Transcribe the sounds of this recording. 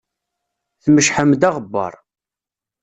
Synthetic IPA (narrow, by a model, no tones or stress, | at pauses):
θməʃħəmd̪ɑʁəbːɑ̰ɾˤ